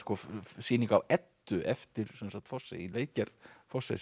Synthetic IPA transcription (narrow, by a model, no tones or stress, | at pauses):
skɔsiːniŋkawɛt̪ːʏʔɛft̪ɪɾ̥sɛnsak̚t̪fɔsːɛileːjt̪̚cɛɾt̪fɔsːɛ̰